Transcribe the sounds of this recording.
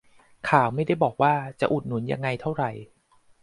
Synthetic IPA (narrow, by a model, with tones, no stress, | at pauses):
kʰaː˨˩wma˥˩jda˥˩jbɔː˨˩k̚waː˥˩t͡ɕa˨˩ʔu˨˩t̪̚nu˨˩˦nja̰˧ŋːa˧jt̪ʰa˥˩wɾa˨˩j